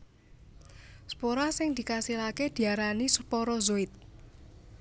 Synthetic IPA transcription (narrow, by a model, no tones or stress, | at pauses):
spoɾasɪŋd̪̥i̤kasilaked̪̥i̤aɾanisəpɔɾɔzoɪt̪̚